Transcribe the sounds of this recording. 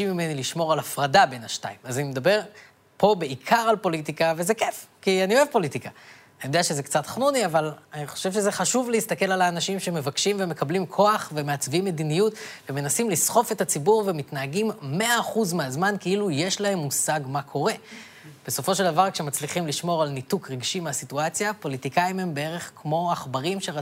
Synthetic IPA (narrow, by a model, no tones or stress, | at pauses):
imime̞niliʃmo̞ʁalafʁadabe̞naʃta̰imazanimed̪abe̞ʁ | po̞be̞ikʰaʁalpo̞lit̬ikave̞zekefkianio̞e̞vpo̞litika | anijd̪eaʃe̞ze̞kt͡sat̪χnuniavalaniχo̞̥ʃe̞vʃeze̞χaʃuvleist̪ake̞lalaːnaʃimʃeme̞vakʃimveme̞kablimkʰo̞aχveme̞at͡svimːe̞dinijutveme̞nasimlisχo̞fe̞tat͡sibuʁvemitnaaɡimːe̞aːχuzmeazmankeiluje̞ʃlahe̞mːusaɡmakʰo̞ʁe̞ | b̥e̞so̞fo̞ʃe̞ld̪avaʁkʃe̞mat͡sliχimliʃmo̞ʁalnitukʁeɡʃimeasituat͡sjapo̞litikaime̞mbee̞ʁe̞χkmo̞aχbaʁimʃe̞